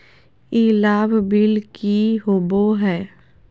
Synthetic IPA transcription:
ilaːbbɪlkiɦoboɦɛː

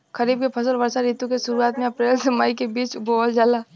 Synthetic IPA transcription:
kəɾiːb̚kepʰəsəlʋəɾsaɾit̪ũkesʊɾuaːt̪mẽɐpɾeːlsmaikebiːt͡ʃboəld͡ʒaːla

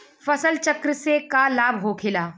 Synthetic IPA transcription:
fɐsəlt͡ʃɐkɾəsekalaːbɦoːkʰɪlaː

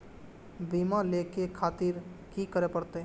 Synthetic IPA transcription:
bimalekekʰat̪iɾkikəɾepəɾt̪e

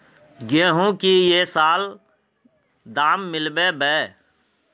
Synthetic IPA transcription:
ɡẽːɦũkijeːsaːl | d̪aːmːɪlbebɛː

